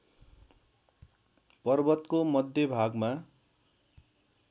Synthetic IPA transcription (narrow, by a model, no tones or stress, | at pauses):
pʌrbʌt̪komʌd̪ʱjʌbʱaɡma